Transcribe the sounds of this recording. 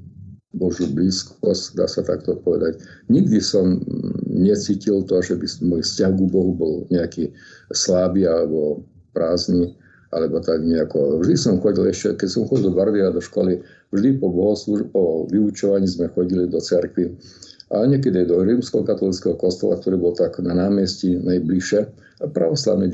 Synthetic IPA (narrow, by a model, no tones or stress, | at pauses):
bɔʒubliːskɔscd̪a̰ːsat̪a̰kt̪ɔpɔʋɛ̰d̪acɲiɡd̪isɔmɲɛt͡siːcilt̪ɔʒɛbizmɛmɔljfscaɦɡubɔɦubɔlɲɛakislaːbiːalɛbɔ | pɾaːzni | ʔalɛbɔt̪aɡɲɛakɔvʒd̪isɔmxɔɟilɛʃcɛkɛcsɔmxɔɟild̪ɔbaɾʋiad̪ɔʃkɔli | vʒd̪ipɔbɔɦɔslupɔʋiut͡ʃɔʋaɲiːzmɛxɔɟilid̪ɔt͡sɛɾkʋi | ʔa̰ɲɛk̬ɛd̪iajd̪ɔɾiːmskɛɦɔkat̪ɔlit͡skɛɦɔkɔst̪ɛ̰la̰k̚t̪ɔɾiːbɔlt̪aɡnanaːmjɛscinajbliʃɛ | pɾa̰ʋɔsla̰ʊni